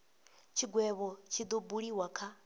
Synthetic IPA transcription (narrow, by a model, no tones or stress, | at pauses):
t͡ʃʰiɡwɛβɔt͡ʃʰid̪ɔbuɺiwakʰa